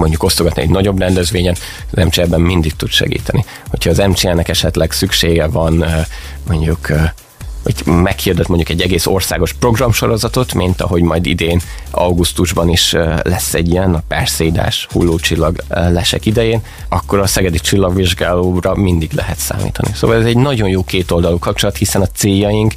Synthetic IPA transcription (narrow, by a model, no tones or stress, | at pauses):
mo̞ɲɟuko̞st̪oɡɒt̪niɛ̰ɟnɒɟo̞brɛnd̪ɛzʋeːɲɛn | ɒzɛmt͡ʃeɛbːɛmmind̪ik̚t̪ud̪ʃɛ̰ɡḭːt̪ɛni | ho̞cʰhɒːzɛmt͡ʃeɛnɛkɛʃɛt̪lɛɡsykʃeːɡɛvɒn | mo̞ɲɟukː | ɒɟmɛkhird̪ɛt̪mo̞ɲɟukɛɟːɛɡeːso̞rsa̰ːɡo̞ʃpro̞ɡrɒmʃo̞ɾo̞zɒt̪o̞t̪mint̪ɒ̰ɦo̞ɟmɒjd̪id̪eːn | ɒwɡust̪uʒbɒniʃølɛsːɛɟːijɛnɒpɛrsɛid̪a̰ːʃhṵlːoːt͡ʃilːɒɡlɛʃɛ̰kid̪ɛjeːn | ɒkːo̞ɾɒsɛɡɛd̪it͡ʃilːɒɡʋiʒɡaːloːrɒmind̪iɡlɛ̰ɦɛt̪sa̰ːmḭːt̪ɒniso̰ːʋvɒlɛzɛɟnɒɟo̞njoːkeːt̪o̞ld̪ɒlukɒp̚t͡ʃo̞lɒt̪hisɛnɒt̪seːjːɒjiŋk